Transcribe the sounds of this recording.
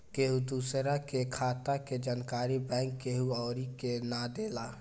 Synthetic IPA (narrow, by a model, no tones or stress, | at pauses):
keɦud̪uːsɾakekʰaːt̪aked͡ʒaːnkaːɾibɛ̃ːŋkːeɦuɔːɾikenad̪eːla